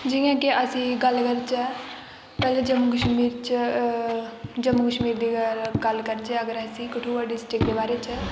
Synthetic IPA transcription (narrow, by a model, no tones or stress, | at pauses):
d͡ʒɪjãːkeʔəsĩːɡəlkəɾt͡ʃɛ | pɛːled͡ʒəmukəʃmiːɾt͡ʃ | d͡ʒəmukəʃmiːɾd̪iːɡəlkəɾt͡ʃɛəɡəɾəsĩːkɪʈʰũːʋəɖisʈɪkd̪eːbaːɾeːt͡ʃə